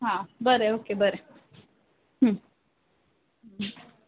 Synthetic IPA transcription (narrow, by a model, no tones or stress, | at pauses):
ɦãbəɾeoːkebəɾe | ɦ̩